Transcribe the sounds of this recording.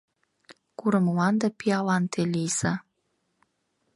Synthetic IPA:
kuɾəmulɑnd̪epiɑlɑnt̪ʰelijsɑ

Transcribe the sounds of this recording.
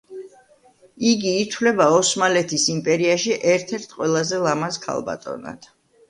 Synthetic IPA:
iɡiːt̪ʰwlɛbaɔsmalɛt̪ʰisimpʼɛɾiaʃiʔɛɾt̪ʰɛɾt̪ʰqʼwɛlˠazɛlˠamaskʰa̰lˠba̰t̪ʼɔ̰na̰d̪̥

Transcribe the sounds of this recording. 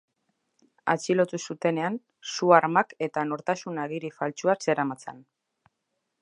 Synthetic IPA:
a̰t͡ʃilo̞t̪usut̪e̞ne̞an | suaɾmake̞t̪ano̞ɾt̪asunaɣiɾifalt͡ʃuase̞ɾamat͡sen

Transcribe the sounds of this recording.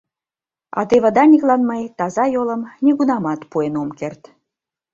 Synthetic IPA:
ɑ̰t̪eβə̆d̪ɑnʲiklɑnməjt̪ɑzɑjoləmnʲiɣunɑmɑt̪puenomkert̪

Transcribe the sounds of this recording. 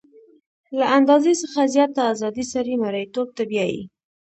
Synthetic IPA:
laand̪ɑzesəxazjɑt̪aːzɑd̪isaɾimaɾajt̪ob̚t̪abjɑjḭ

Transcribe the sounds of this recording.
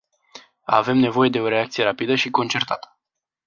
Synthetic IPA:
a̰ve̞mne̞vo̞je̞d̪e̞o̞ɾe̞ak̚t̪sije̞ɾapid̪əʃiko̞nt͡ʃe̞rt̪at̪ə̥

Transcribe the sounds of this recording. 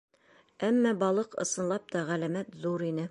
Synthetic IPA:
æmːæbɒlˠɤqɤ̰̆sɤ̆nlˠɑp̚t̪ɒʁælæmæt̪zuɾinɘ

